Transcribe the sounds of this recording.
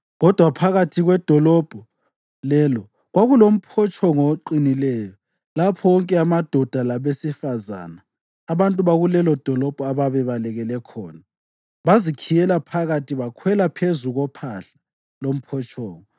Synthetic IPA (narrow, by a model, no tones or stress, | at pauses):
ɣɔd̥ʱwapʰaɣatʰiɣwɛd̥ʱɔlɔb̥ʱɔ | lɛlɔ | ɣwaɣulom̩pʰɔt͡ʃʰʼɔŋɔǃinilɛːjɔ | lapʰɔwɔŋkʼɛamad̥ʱɔd̥ʱalaβesifaza̰ːnaː | βantʼuβaɣulɛlɔd̥ʱɔlɔb̥ʱɔaβaβɛβalɛɣɛlɛkʰɔ̰ːna | βazikʰijɛlapʰaɣatʰiβakʰwɛlapʰezuɣɔpʰaɬḁ | lom̩pʰɔt͡ʃʰʼɔːŋɔ